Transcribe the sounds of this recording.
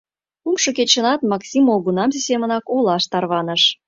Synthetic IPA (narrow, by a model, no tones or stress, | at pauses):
umʃɤ̆ket͡ɕə̆nɑt̪mɑksʲimolɣunɑmsisemənɑkolɑʃt̪ɑrβɑnəʃ